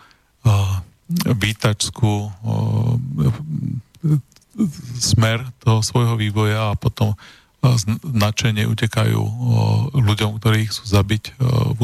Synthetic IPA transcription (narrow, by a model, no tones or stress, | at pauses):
ʋiːt̪at͡ʃskuː | z̥mɛɾt̪ɔɦɔsʋɔjɦɔʋiːʋɔjaːpɔt̪ɔm | znat͡ʃɛɲɪɛ̰ʔṵcɛkajṵː | luɟɔmkt̪ɔɾiːxt͡su̥ːzabicu